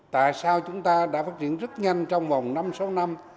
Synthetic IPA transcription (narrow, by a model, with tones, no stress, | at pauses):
t̪a̰ː˧˨jsaː˧wt͡ɕʊ˨˦ŋ͡mt̪aː˧ɗa̰ː˧˥faː˦˥t̚t͡ɕḭ˧˨ənzə˦˥t̚ɲa˧jnt͡ɕɔ˧wŋ͡mva˨˩wŋ͡mna˧mso˨˦wna˧m